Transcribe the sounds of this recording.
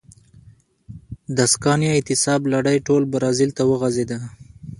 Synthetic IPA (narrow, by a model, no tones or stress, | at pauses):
d̪askɑnjɑɪt̪ɪsɑblaɽəjʈolbaɾɑzɪlt̪awəɣazed̪a